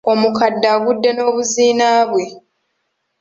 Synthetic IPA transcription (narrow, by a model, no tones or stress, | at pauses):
o̞mukadːaɡudːe̞no̞ːβuziːnaːβwe̞